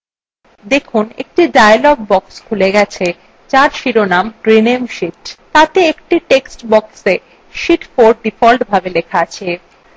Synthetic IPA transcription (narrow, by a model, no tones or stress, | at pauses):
d̪ekʰunḛk̚ʈiɖaelɔɡ̚bɔkskʰuleɡɛt͡ɕʰe | t͡ɕaɾʃiɾonamɾinemʃiʈt̪at̪eekʈiʈeksʈbɔkse | ʃiʈfoɾ̚ɖifɔlʈbʱabelekʰaat͡ɕʰe